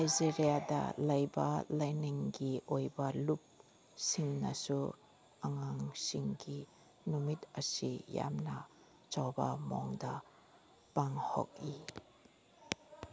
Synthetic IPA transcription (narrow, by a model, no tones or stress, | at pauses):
najziɾiada̰lajba̰lajniŋɡiʔojbalup̚ | siŋnasu | aŋaŋsiŋɡi | numit̪̚asija̰mna | t͡ʃawbamɔ̰ŋda | paŋhɔ̰k̚i